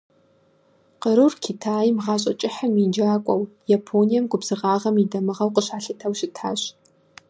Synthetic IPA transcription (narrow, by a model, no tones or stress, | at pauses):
qəɾɨrkʰitʰaːjmʁɑːɕʼɐt͡ʃʼɪħamind͡ʒaːkʷʼɐwjapʰoːnijɐmɡʷʼʊbz̥ɨʁɑːʁɐmidɐmɨʁɐwqəɕaːɬɐtʰɐwʃɪtʰaːɕ